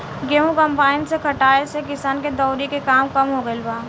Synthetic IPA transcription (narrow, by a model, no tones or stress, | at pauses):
ɡeːũkɐ̃mpaːɪnsekʰɐʈaːesekɪsaːnked̪ɔːɾikekaːmkɐmɦoɡəɪlbaː